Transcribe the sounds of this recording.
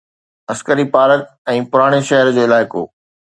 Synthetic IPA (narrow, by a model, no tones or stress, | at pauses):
ɐskəɾipaːlət̪̚ | ɛ̃ːpʊɾaːɽ̃eʃɐɦəɾd͡ʑoːɪlaːɪko̰ː